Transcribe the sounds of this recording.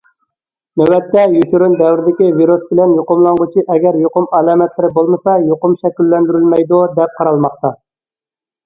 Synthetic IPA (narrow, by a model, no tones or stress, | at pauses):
nɛwɛt̪ːɛjyt̪yɾynd̪ɛwɾɪd̪ɪkʲiviɾusbɪlɛnjoqʊmlˠɑŋʁʊt͡ʃʰiʔɛɡʲɛɾjoqʊmɑlˠɑːmɛt̪lɪɾɪbolˠmɨsɑjoqʊmʃɛkʲylːɛnd̪yɾylmɛjd̪ud̪ɛp̚qʰɑɾɑlˠmɑq̚t̪ɑ